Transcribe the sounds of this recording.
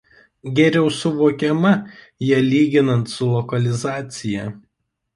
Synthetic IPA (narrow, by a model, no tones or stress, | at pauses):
ɡʲɛɾʲɛʊsʊʋoːkʲɛmɐ | jiɛlʲiːɡʲɪnɐnt̪sʊlˠɔkɐlʲɪzɑːt̪sʲɪjɛ